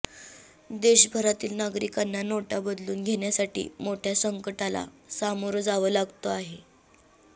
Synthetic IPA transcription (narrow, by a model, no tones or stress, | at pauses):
d̪eɕbʱəɾat̪iːlnaɡɾikanːanoʈabəd̪luːnɡʱeɽjasaʈḭːmoʈʰjasəŋkəʈala̰samoɾd͡zaʋəlaɡt̪oaɦe